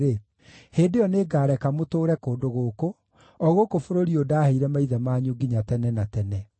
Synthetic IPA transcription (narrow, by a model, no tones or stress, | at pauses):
ɾe | heːndeɔneːɡaːɾɛkamotoːɾɛkoːndoɣoko | ɔɣokofoɾoɾiodaːheiɾɛmaiðɛmaːɲoɡiɲatɛnɛnatɛnɛ